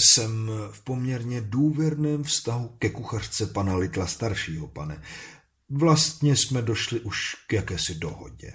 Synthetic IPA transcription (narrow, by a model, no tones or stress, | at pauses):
sɛmfpo̞mɲɛɾɲɛduːvjɛɾnɛːmfst̪aɦukɛkuxar̥t͡sɛpanalɪt̪last̪aɾʃiːɦo̞panɛ | vlast̪ɲɛsmɛdo̞ʃlɪʔuʃkjakɛːsɪdo̞ɦo̞̰ɟɛ̰